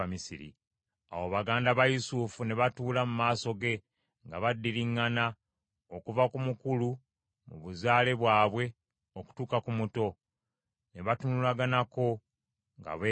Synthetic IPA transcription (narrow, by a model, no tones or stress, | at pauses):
misiɾḭ | a̰woβaɡaːndaβajusufune̞βatuːlamumaːso̞ɡe̞ | ŋɡaβadːiɾiŋːana | okuvakumukulu | muβuzaːle̞βwaːβwe̞ | oku̥tuːkakumuto̞ | ne̞βatunulaɡanako̞ | ŋɡa̰βe